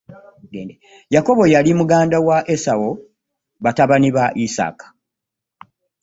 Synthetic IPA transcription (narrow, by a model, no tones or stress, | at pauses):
ɡeːnde | jako̞βo̞jalimuɡaːndawaʔesawo̞ | βataβaniβaʔisa̰ːkḁ